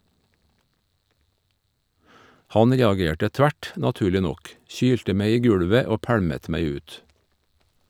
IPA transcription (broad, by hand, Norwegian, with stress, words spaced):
ˈhɑn ˈɾeːɑˌɡeːʈə ˈtʋæʈ nɑˈtʉːɭɪ ˈnɔk ˈçyːltə ˈmeɪ ˈiː ˈɡʉɽʋə ˈoː ˈpæɽmət ˈmæɪ ˈʉːt